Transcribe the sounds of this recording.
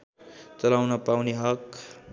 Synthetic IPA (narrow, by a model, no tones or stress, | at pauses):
t͡sʌlawnʌpawniɦʌk